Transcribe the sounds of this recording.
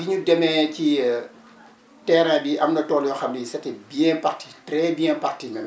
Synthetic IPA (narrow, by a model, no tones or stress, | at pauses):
biɲudɛmɛci | tɛːɾɛ̃ːbiʔɐmnɐtɔːljɔxɐmnɛsɐtɛbiɛ̃partitrɛbiɛ̃partiŋɐn